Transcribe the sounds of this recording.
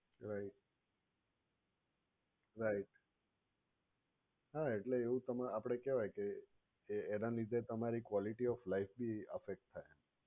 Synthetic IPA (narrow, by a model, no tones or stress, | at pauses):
ɾaiʈ̚ | ɾaiʈ | ɦaeʈleːũt̪əmapəɽ̃ekɛʋajkeː | nalid̪ʱet̪əmaɾikʋɔliʈiɔflaifbʱiəfek̚ʈ̚t̪ʰajm